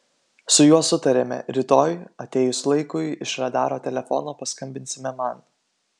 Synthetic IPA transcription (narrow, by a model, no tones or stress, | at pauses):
sʊjuɔsʊt̪ɐɾʲemʲɛ̰ɾʲɪt̪oːjɐt̪ʲeːjʊslˠɐɪkʊjɪʃɾɐd̪ɑːɾoːt̪ʲɛlʲɛfɔ̰noːpɐskɐmʲbʲɪnʲsʲɪmʲɛmɐn